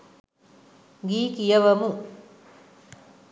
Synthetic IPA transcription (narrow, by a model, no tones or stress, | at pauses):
ɡiːkijɐʋɐmu